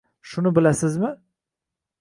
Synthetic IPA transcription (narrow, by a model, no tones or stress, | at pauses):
ʃʊnɪbɪlasɪzmɪ